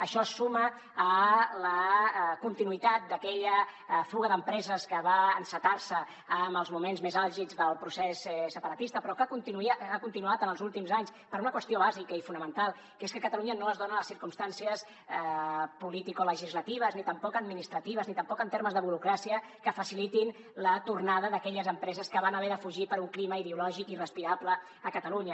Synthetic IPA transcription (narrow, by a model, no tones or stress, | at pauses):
əʃɔəsuməː | ləkunt̪inuit̪at̪̚d̪əkɛʎəfuɣəðəmpɾɛzəskəβaəːnsət̪arsəː | məlˠzmumenzmezalˠʒid͡zðəlˠpɾusɛssəpəɾət̪ist̪əpɾɔkakunt̪inakunt̪inuat̪ənəlˠzulˠt̪imzaɲs | pəɾunəkwəst̪ioβ̞azikəifunəmə̃nt̪alˠ | keskəkət̪əluɲənoəzðonələsiɾkumst̪ansiəs | pulit̪ikoləʒizlət̪iβ̞əznit̪əmpɔkəd̪minist̪ɾət̪iβəznit̪əmpɔkənt̪eɾməzðəβuɾukɾasiə | kəfəsilit̪in | lət̪urnaðəðəkɛʎəzəmpɾɛzəskəβanəβɛɾðəfuʒipəɾuŋkliməiðeulɔʒikirəspiɾablə | əkət̪əluɲə